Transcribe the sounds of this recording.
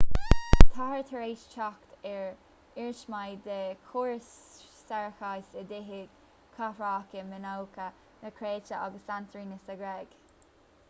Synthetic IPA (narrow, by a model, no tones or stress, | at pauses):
t̪ʰahəɹt̪ʰəɹeːʃt͡ʃʰɑkt̪ɛɹ | ɪɹʃmajd̪əkʰoːɹsː | ɛɹəxajsəd̪ɪɦɪɡ̥ | kʰafɹaːkəmənowkʰə | nəkʰɾeːt͡ʃəɑ̰ɡəsant̪ɾiːnəsəɡɾɛɡ̥